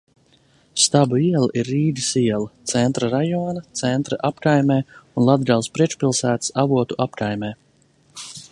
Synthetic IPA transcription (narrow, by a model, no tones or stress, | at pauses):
st̪abuiɛlˠaʔiɾːiːd̪ʲisiɛlˠat̪sɛnt̪ɾaɾajɔːnat̪sɛnt̪ɾa̰ʔapkajmɛːunlˠad̪ɡalˠspɾiɛt͡ʃpʲilˠsæːt̪savuɔt̪uʔapkajmɛː